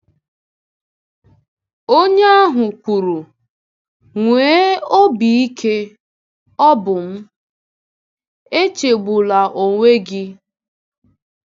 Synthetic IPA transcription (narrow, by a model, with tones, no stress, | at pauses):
o˦ɲe˦a˦ɦʊ˨kʷu˨ɾu˨ | ŋʷeː˨˦o˦bi˨i˦kʰe˦ | ɔ˦bʊ˨m̩˦ | e˦t͡ʃe˨ɡ͡bu˨la˨ʔo˨ŋʷe˦ɡɪ˦